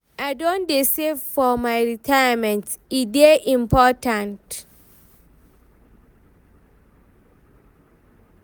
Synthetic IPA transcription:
aɪdõndesefɔmaɪɹitʰaamɛ̃ntideʔĩmpʰɔtãnt

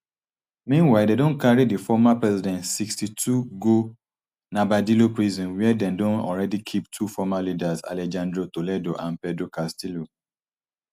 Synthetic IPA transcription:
mĩnwaɪdedõnkaɹidifɔmapɹɛzidɛ̃ntsikstitʰuɡo | nabadilopɹizɔ̃nwɛdɛ̃ndõnɔ̰lɹɛdikʰiptʰufɔmalidaza̰lɛd͡ʒãndɹotolɛdoʔãnpɛdɹukastilo

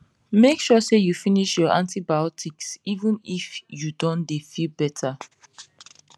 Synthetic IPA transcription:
mekʃɔsejufiniʃjɔʔã̰ntibaɔtʰiksivə̃nifjudɔ̃ndefilbɛtʰa

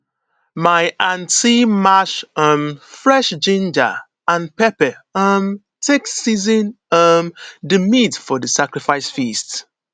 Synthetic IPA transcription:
maɪʔãntimaʃʌmfɹɛʃd͡ʒĩnd͡ʒə̰ | ãnpɛpəam | tʰeksizĩn | ʌmdɨmitfɔdəsakɹifaɪsfist

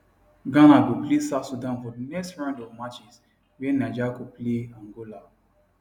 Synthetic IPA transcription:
ɡãnaɡoplesatsudãnfɔdinɛkstɹãndɔvmat͡ʃis | wɛnad͡ʒakopleãŋɡola

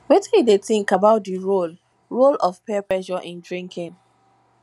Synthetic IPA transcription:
wetĩjideθĩŋkabaʊt̚diɹol | ɹolɔfpɛplɛʃɔʔĩndɹĩŋkʰĩn

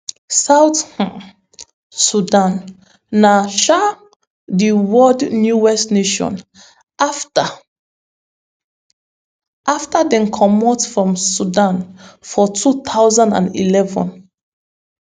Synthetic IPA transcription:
sawth | sudãnː | aʃa | diwɔdnjuwɛstneʃɔ̰̃n | ʔaftadɛ̃nkʰɔmɔtfɹɔ̃msudãnfɔtʰut̪ʰawzãndã̰nḭlɛvɔ̰̃n

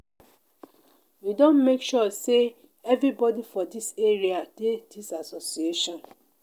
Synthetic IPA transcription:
widɔ̃nmekʃɔse | ɛvɹɾibɔdifɔdiseɹiad̥edisasosieʃɔ̃n

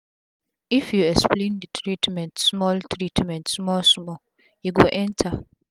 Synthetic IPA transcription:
ifjuɛksplẽndətʰɹitmɛ̃ntsmɔltʰɹitmɛ̃ntsmɔlsmɔ | juɡoʔɛ̃ntʰa

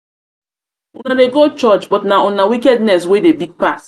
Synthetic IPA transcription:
unadeɡot͡ʃɔt͡ʃbɔtnaɔnawikɛdnɛs̬wedebiɡ̚pas

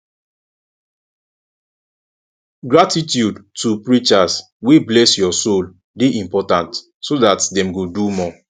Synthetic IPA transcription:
ɡɹatitjudtupɹit͡ʃas | wiblɛsjɔsol | biʔĩmpɔtãnt | sodatdɛ̃mɡodumɔ

